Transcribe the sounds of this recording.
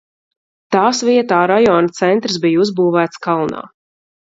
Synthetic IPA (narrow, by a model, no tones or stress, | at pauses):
t̪aːsviɛt̪aːɾajɔːnat̪sɛnt̪ɾɨs̬bijuzbuːvæːt̪skalˠna̰ː